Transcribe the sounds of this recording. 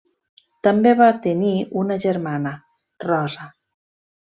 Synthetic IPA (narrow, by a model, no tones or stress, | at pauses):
t̪əmbeβat̪eniunəʒeɾmanə | rɔzə